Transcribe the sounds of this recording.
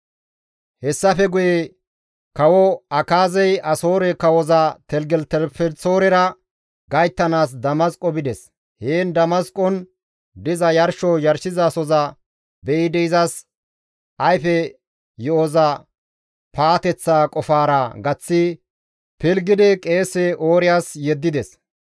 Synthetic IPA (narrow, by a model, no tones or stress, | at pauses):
hɛsːɐfɛɡʊjɛ | kɐwɔɐkaːzɛjɐso̞ːɾɛkɐwɔzat̪ɛlɡɛlt̪ɛlpɛsoːɾɛɾɐ | ɡɐjt̪ːɐnaːs̬d̪ɐmɐskʼɔbɪd̪ɛs | heːnd̪ɐmɐskʼɔn | d̪ɪzɐjɐɾʃɔjɐɾsɪzɐsɔzɐ | bɛʔɪd̪ɛɪzɐs | ʔɐjfɛ | jɔɔzɐ | paːt̪ɛt͡sːaːkʼɔfaːɾɐɡɐt͡sːɪ | pɪlɡɪd̪ɛkʼe̞ːsɛʔoːɾɪjaːsjɛd̪ːɪd̪ɛs